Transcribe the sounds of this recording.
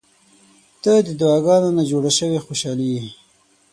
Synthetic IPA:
t̪əd̪əd̪ʊɑɡɑnonad͡ʒoɽaʃəwexoʃɑli

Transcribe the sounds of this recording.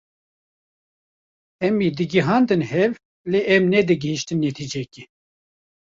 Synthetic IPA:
ɛmiːd̪ɨɡiɦɑːnd̪ɨnhɛv | leːʔɛmnɛd̪ɨɡəhiʃt̪ɨnːet̪ʰid͡ʒɛki

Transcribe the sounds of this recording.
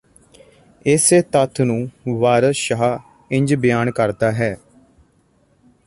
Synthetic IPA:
ɪseːt̪ət̪ʰnũːʋaːɾəʃəɦaː | ɪ̃ɲd͡ʒbɪjaːnkəɾd̪aːɦɛː

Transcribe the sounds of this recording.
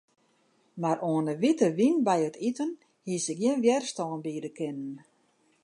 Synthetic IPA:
maɾʔoːənəʋitəʋinbɛjətitən | hisɪkɡjiənʋjɛrstɔːnbiːdəkɪnən

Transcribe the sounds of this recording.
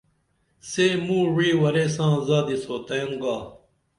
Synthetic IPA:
seːmũːɻiːwɐɾeːs̬ãːzaːd̪isoːt̪ɐjũŋɡaː

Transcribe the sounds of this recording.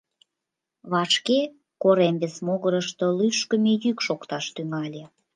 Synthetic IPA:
βɑʃke | koɾemβesmoɣəɾəʃt̪olyʃkə̆mejykʃokt̪ɑʃt̪yŋɑlʲe

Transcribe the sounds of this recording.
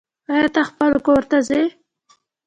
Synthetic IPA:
ajat̪axpəlkoɾt̪aze

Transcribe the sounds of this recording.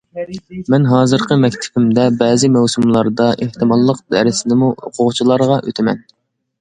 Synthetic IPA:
mɛnɦɑːzɨɾqʰəmɛk̚ʲt̪ʰɪ̥bɪmd̪ɛbɛːzɪmɛwsumlˠɑɾd̪ɑʔeht̪ɨmɑlˠːəq̚d̪ɛɾɪsnɪmuo̰qʰʊʁt͡ʃʰilˠɑɾʁɑʔø̰t̪ʰɪmɛn

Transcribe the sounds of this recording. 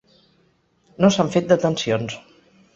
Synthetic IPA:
nosaɱfet̪̚d̪ət̪ənsions

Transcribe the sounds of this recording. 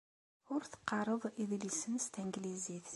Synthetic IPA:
ʊɾθə̥qːɑɾˤəðˤiðlisənst̪æŋɡliziθ

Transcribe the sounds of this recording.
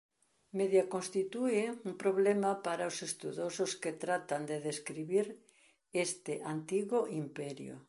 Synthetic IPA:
meðjakonst̪it̪ueumpɾoβlemapaɾaosest̪uðososket̪ɾat̪and̪eðeskɾiβiɾ | est̪ɪʔant̪iɣoʔimpɛɾjo̰

